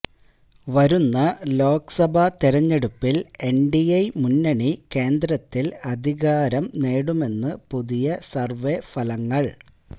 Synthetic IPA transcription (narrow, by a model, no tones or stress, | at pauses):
ʋɐɾunːɐlo̞ːksɐbʱɐt̪iɾɐɲːe̞ɽupːile̞ɳɖiɐjmunːɐɳike̞ːnd̪ɾɐt̪ːilɐd̪ʱiɣaːɾɐmneːɽume̞nːɨpuðijɐsɐrʋefɐlɐŋːɐɭ